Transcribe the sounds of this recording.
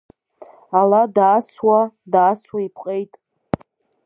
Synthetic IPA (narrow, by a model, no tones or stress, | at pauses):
aladaːswadaːswaipʰqʼejtʼ